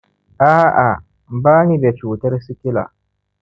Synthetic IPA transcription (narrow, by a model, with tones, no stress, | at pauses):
ʔaː˦ʔa˨ | baː˦ni˨be˨t͡ʃuː˨tɐ˦rsɪ˦kʲɪ˦la̰ː˨